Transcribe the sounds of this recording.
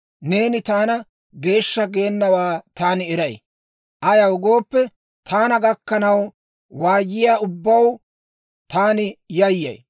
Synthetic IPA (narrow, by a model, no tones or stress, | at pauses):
ne̞ːnɪt̪aːnɐ | ɡe̞ːʃːɐɡe̞ːnːɐwaːt̪aːnɪɛɾɐj | ʔɐjɐwɡo̞ːpːɛ | t̪ʰaːnɐɡɐkːɐnɐw | waːjːɪjaːʊbːɐw | t̪aːnɪjɐjːɐ̰j